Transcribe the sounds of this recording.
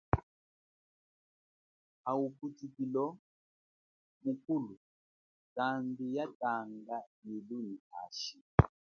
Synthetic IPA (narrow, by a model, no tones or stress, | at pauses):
auputikilɔ | mukulu | kambijataŋɡajiluniha̰ʃi